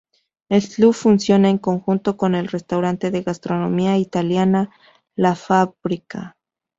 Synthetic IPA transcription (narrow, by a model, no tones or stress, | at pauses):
elufunsjo̞naeŋko̞ŋxunt̪o̞ko̞ne̞lre̞st̪awɾant̪e̞ðe̞ɣast̪ɾo̞no̞miait̪aljana | lafaβɾika̰